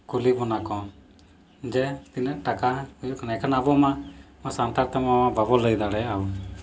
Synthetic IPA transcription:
kulibɔnakɔ̃ | d͡ʒɛt̪inəʔʈakaujuknakʰanabɔma | masant̪aɾt̪əmɔmãbabɔləjd̪aɽɛawɔ

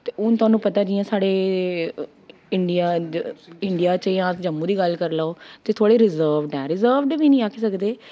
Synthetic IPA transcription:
t̪eːʊnt̪ʊaːnũːpət̪aːd͡ʒiɛ̃ːsaːɽeː | ɪɳɖijaː | ɪɳɖɪjaːt͡ʃjãːd͡ʒəmũːd̪iːɡəlkəɾlaːoːt̪eːt̪ʰoaːɽeːɾɪzəːʋɖɛ̃ːɾɪzəːɾʋɖʋiːnĩːaːkʰisəkd̪eː

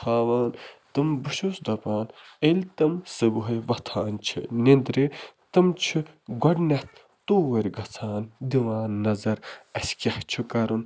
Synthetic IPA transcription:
aːʋaːnt̪ɨmbɨʃusd̪ɐpaːnelʲt̪ɐmsɨbuɦɐjʋɐt̪ʰaːnt͡ʃʰḭnend̪ɾiːt̪ɨmt͡ʃʰiɡɐɖnɐht̪̚ʰ | t̪oːʋɐɾʲɡɐt͡sʰaːnd̪iʋaːnːɐzɐɾɐsʲkʲɐht͡ʃʰikɐɾun

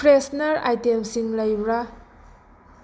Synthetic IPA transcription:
pɾesnaɾa̰jtemsiŋlajbɾa

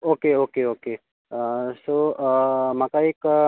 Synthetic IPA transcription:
oːkeoːkeoːke | soː | mãkaeːk

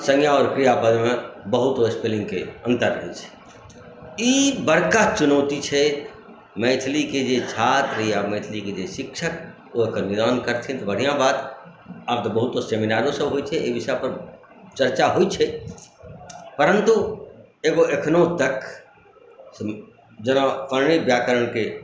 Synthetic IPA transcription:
sə̃ŋjaɔːɾkɾijapəd̪mẽbəɦʊt̪oɪspelɪ̃ŋɡkeə̃nt̪əɾɦeːt͡ʃʰɛ̥ | ibəɽkat͡ʃʊnɔʊt̪it͡ʃʰɛ | mɛ̃t̪ʰliked͡ʒet͡ʃʰaːt̪ɾijamɛ̃ːt̪ʰliked͡ʒeʃɪkʃʰək̚ | oekənɪd̪ɔːnkəɾt̪ʰĩt̪obəɽ̤ijãbaːt̪ | ab̚t̪obəɦʊt̪oseːminaːɾõsəbɦoːit͡ʃʰɛebɪsapəɾ | t͡ʃəɾt͡ʃaɦoit͡ʃʰɛ | pəɾə̃nt̪u | eːɡoekʰnõt̪ək | s | d͡ʒənapəɾɳ̃ibjaːkəɾəɽ̃ke

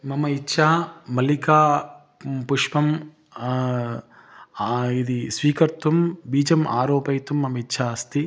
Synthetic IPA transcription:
mɐmɐitːʃʰaːmɐlikaː | puʂpɐm | id̪isʋiːkɐɾt̪ʋɐmbiːd͡ʒɐmʔaːɾoːpɐjt̪umːɐmɐitːʃʰaɐst̪i

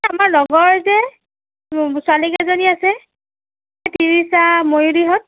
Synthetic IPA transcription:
amaɹnɔɡɔɹzɛ | sʊalikazoniasɛ | ɛtinisamojudiɦɔt̚

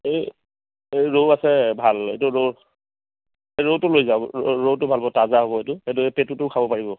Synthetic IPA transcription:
ej | ejɹowasɛbʱalḛjtʊɹo | eɹowtʊlojzaʊɹowtʊbʱalbɔtazaɦobɔɦetʊet̬ʊepetutʊkʰabɔpaɹibɔ

